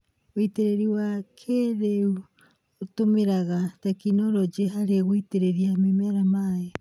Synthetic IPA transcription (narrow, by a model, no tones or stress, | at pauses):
oiteɾeɾiwakʰeɾeu | otomeɾaɣatakinoɾod͡ʒeɦaɾeɣoiteɾeɾiamimeaɾamae